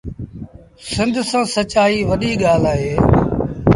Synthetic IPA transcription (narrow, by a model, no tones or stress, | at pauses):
sɪ̃nd̪ʱsãːsət͡ʃaːiːʋəɗiːɠaːlaːɦeː